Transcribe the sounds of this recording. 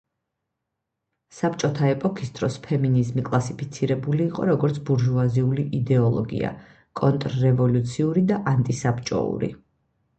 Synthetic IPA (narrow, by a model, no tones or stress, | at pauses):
sapt͡ʃʼɔt̪ʰaɛpʼɔkʰi̥st̪ʼɾɔspʰɛminizmikʼlˠasipʰit̪sʰiɾɛbuliːqʼɔɾɔɡɔɾt̪sʰbuɾʒuaziuliʔid̪ɛɔlˠɔ̰ɡḭa̰ | kʼɔnt̪ʼɾːɛvɔlut̪sʰiuɾid̪aʔant̪ʼisapt͡ʃʼɔ̰ṵɾḭ